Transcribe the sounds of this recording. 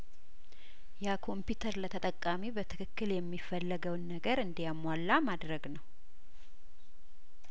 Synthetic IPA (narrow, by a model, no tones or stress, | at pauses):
jakʰo̞mpjut̪ʰəɾlət̪ʰət̪ʼəkʼːamibət̪ʰɨkʰɨkːɨljɛmːifəlːəɡəwnːəɡəɾɨnd̪jamwalːamad̪ɾəɡnəw